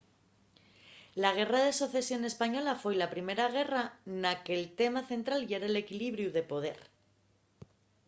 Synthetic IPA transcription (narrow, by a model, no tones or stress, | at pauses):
laɣ̞e̞raðe̞soθesjo̞ne̞spaɲo̞lafe̞jlapɾime̞ɾaɣ̞e̞ranakelt̪e̞maθe̞nt̪ɾalʝeɾele̞kiliβɾjuðe̞po̞ð̞e̞ɾ